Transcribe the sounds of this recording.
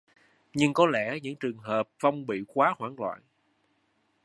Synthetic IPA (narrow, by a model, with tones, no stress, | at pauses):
ɲɨ˧ŋkɔ˨˦lɛ˧˥ɲɨ̰˧˥ŋt͡ɕɨ˨˩əŋɦəː˨˩p̚va˧wŋ͡mɓḭ˧˨kwaː˨˦hwaː˧˩ŋlwa̰ː˧˨n